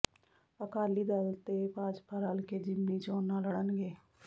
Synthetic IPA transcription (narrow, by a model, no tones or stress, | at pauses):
əkaːliːd̪əlt̪eːpaːd͡ʒpʰaːɾaːlkeːd͡ʒɪmniːt͡ʃoːnːãːləɽənɡeː